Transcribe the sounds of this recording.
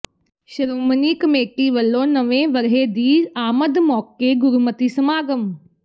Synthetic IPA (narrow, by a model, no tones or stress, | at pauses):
ʃəɾoːməniːkəmeːʈiʋəlːõːnɐʋẽʋəɾɦed̪iːaːməd̪mɔːkeɡʊɾumət̪isɐmaːɡəm